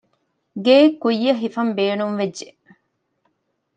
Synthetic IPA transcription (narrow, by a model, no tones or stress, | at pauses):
ɡeːkːujːɐɦifɐmbeːnumʋeʒe